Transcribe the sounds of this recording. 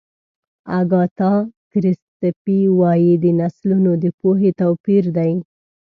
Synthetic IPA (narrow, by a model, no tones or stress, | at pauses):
aɡɑt̪ɑkɾɪst̪piwɑjid̪ənaslunod̪əpoɦet̪awpiɾd̪aj